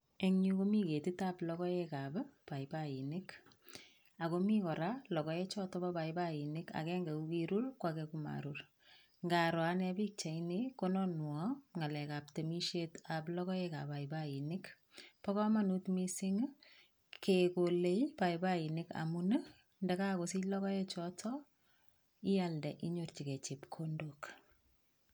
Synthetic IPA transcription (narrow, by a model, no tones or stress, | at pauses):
eŋɲukomiketitaplɔkɔjekabpaibainɪk | akomikɔɾalɔkɔɛt͡ʃɔtɔbabajbainɪka̰kɛŋɡekukiɾurkwakɛkuma̰ɾur | ŋɡaɾɔanɛbik̚t͡ʃainikonɔnwɔŋalɛkap̚temiʃetaplɔkɔekabaibainɪk | pakɔmanutmisiŋ | kekolejpaibainɪka̰mun | ndɛkakosilɔkɔjet͡ʃɔtʰɔ | ijaldɛʔiɲort͡ʃiket͡ʃipkʰondok